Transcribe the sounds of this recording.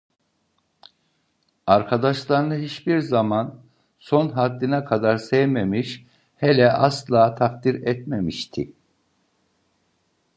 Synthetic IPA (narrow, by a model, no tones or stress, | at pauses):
aɾkʰad̪aʃlˠaɾnɯɦit͡ʃbiɾzaman | so̞nɦad̪ːinakʰad̪aɾsɛjmemiʃ | hɛlʲɛʔaslˠaːt̪ʰafd̪iɾɛt̪memiʃt̪ʰḭ